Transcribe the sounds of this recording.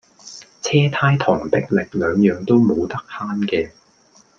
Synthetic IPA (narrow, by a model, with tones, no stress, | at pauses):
t͡sʰɛː˥t̪ʰaː˥jt̪ʰɔː˨˩ŋt̪ɪ˥k̚lɪ˨k̚lœː˨˧ŋjœː˨˧ŋt̪o˥wmo˨˧wt̪ɐ˥k̚haː˥nkɛː˧